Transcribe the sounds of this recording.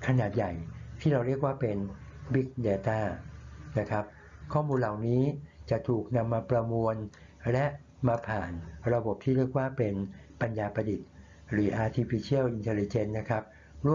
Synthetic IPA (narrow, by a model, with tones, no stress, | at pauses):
kʰa˧naː˨˩t̪̚ja˨˩jt̪ʰiː˥˩ɾa˧wɾi˥˩ək̚waː˥˩pe˧nbi˦˥k̚deː˧t̪aː˥˩na˦˥kʰa˦˥p̚ | kʰɔː˥˩muː˧nla˨˩wniː˦˥t͡ɕa˨˩ʔt̪ʰuː˨˩k̚na˧mːaː˧pɾa˧mu˧ən | lɛ˦˥ʔ | maː˧pʰaː˨˩nɾa˧bo˨˩p̚t̪ʰiː˥˩ɾi˥˩ək̚waː˥˩pe˧n | pa˧njaː˧pɾa˧di˨˩t̪̚ | ɾɯː˩˦ʔaː˧t̪ʰiː˧pʰiː˧t͡ɕʰi˥˩əwʔi˧nt̪ʰe˧li˧t͡ɕe˦˧˥nːa˦˥kʰa˦˥p̚ | ɾu˥˩ə